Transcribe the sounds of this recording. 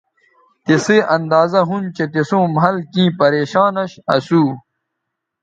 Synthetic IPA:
t̪iseːʔɐnd̪aːzɐɦunt͡ɕet̪isõːmɦɐlkĩːpɐɾeːɕaːnɐɕɐ̰suː

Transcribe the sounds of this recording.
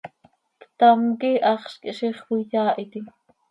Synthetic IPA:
kt̪ɑmkiʔɑχʃkʃiχwijɑːʔit̪i

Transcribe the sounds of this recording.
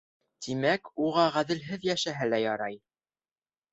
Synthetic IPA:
t̪ʰimækuʁɑʁæðɘ̆lɦɘðjæʃæɦɘlæjɑɾɑj

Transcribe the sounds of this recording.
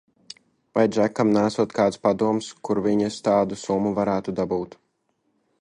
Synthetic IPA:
vajʒækamnæːsuɔt̪kaːt̪spad̪uɔmskuɾviɲast̪ɑːd̪usumuvaɾæːt̪ud̪abuːt̪

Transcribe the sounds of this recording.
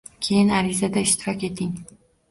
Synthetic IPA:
kʲʰe̞jɪnaɾɪzad̪aɪʃt̪ʰɪɾɒkʲe̞t̪ʰɪŋ

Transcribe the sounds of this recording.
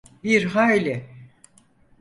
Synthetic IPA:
biɾɦajlʲɪ

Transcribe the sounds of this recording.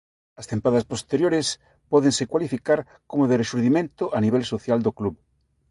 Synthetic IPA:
ɐst̪empaðaspost̪eɾjoɾes | pɔð̞eŋsekwalifikaɾ | komoðereʃuɾðimẽnt̪ʊʔaniβ̞ɛlsoθjald̪okluβ

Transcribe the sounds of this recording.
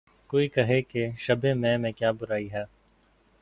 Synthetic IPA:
koːikɐɦekeʃɐbẽmɛ̃ːmẽkjaːbʊɾaːiɦɛː

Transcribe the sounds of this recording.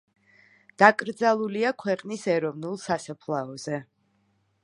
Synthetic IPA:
d̪̥akʼɾd̪zalˠuliakʰwɛqʼnisɛɾɔvnulˠsasapʰlˠaɔzɛ

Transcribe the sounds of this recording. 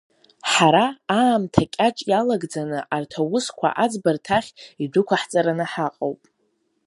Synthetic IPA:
ħaɾaːmtʰakʲʼaʈ͡ʂʼjalaɡd͡zanɨʔartʰawʊskʷʰa̰ʔad͡zbartʰaχʲidʊkʷaħt͡sʼaɾanɨħaqʼowpʼ

